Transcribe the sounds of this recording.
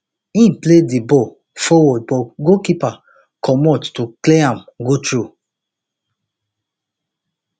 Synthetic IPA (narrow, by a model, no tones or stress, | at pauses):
ĩnpledibɔ | fɔwɔd̚bɔɡokipa | kʰɔmɔttukleãmɡotɹu